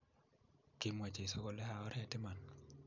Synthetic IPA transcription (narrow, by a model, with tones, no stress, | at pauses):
kɪ˦mwa˨t͡ʃe˨so˦ko˦˨lɛ˦ɦa˨ɔ˦ɾɛ˦tɪ˦ma˨n